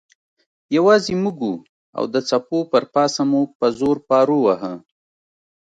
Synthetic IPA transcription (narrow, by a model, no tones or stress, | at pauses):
jawɑzemuɡu | a̰wd̪ət͡sapopəɾpɑsamupəzoɾpɑɾowaɦə